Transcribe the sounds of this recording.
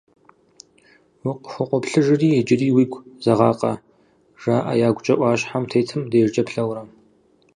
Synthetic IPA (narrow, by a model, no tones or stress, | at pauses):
wiqʷxʷʊqʷɔpɬɨʒɪriːɛd͡ʒɪriːwiːɡʷʰʼz̥ɐʁɑːqʼɐ | ʒ̥aːʔɐ̰jaːɡʷʊt͡ʃʼɐʔʷɑːɕħamtʰejtʰɨmdejʒd͡ʒɐpɬɐwɾɐ